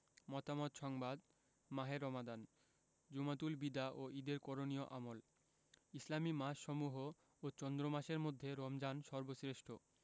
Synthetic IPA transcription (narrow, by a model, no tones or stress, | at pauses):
mɔt̪amot̪ʃɔŋbad̪ | maɦeɾɔmad̪an | d͡ʑumat̪ulbid̪aʔoid̪eɾkɔɾonioʔamol | islamimaʃʃɔmuɦo | ot͡ɕɔnd̪ɾomaʃeɾmod̪ʱːeɾɔmd͡ʑanʃɔɾbosɾeʃʈʰo